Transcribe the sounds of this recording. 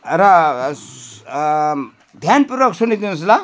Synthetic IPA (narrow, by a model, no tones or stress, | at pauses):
ɾa | d̪ʱjanpuɾʋəksunid̪inus̬la